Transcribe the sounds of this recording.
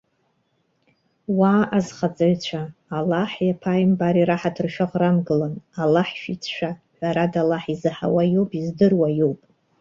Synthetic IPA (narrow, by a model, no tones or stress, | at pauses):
waːʔazχat͡sʼaɥt͡ɕʷʰaːlːaħjapʰajmbaɾiɾaħatʰɨrʃᶣaʁramɡɨlanalːaħʃit͡sʰʃʷᶣaħʷᶣaɾadalːaħizɨħa̰wajowpʼizdɨrwajowpʼ